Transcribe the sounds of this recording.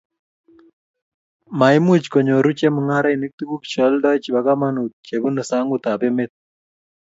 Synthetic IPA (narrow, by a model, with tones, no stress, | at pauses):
ma˨ɪ˦mu˦t͡ʃkɔ˨ɲo˨ɾu˦t͡ʃe˦mu˨ŋa˦ɾa˦i˨ni˦k̚t̪u˦ɡu˦kt͡ʃɔ˨˦ldɔ˦t͡ʃba˨ɡa˦ma˦nu˨t̚t͡ʃe˨bu˦nə˨sa˦ŋɡʊ˦t̪a˨pe˦me˦t̪̚